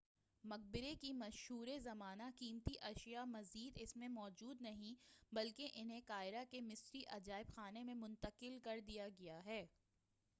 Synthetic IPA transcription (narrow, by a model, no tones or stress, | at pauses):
mɐq̚bɪɾekimɐʃhɦuːɾezɐmaːnakiːmt̪iʔɐʃjamɐziːd̪ɪsmẽmɔːd͡ʒuːd̪nɐɦĩbɐlkeʔɪnɦẽkaːɪɾakemɪsɾiʔɐd͡ʒaːɪbxaːnemẽmʊ̃nt̪əqɪlkɐɾd̪ijaɡɐjaɦɛː